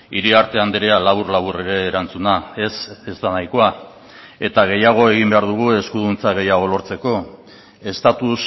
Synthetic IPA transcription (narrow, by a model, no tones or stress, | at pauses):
iɾiaɾt̪e̞and̪eɾealaβurlaβure̞ɾe̞ːɾant͡sunae̞se̞zt̪anajko̞a | e̞t̪aɣ̞e̞jaɣ̞o̞eɣ̞imbe̞aɾðuɣ̞ue̞skuðunt͡saɣ̞e̞jaɣ̞o̞lo̞ɾt͡se̞ko̞ | e̞st̪at̪us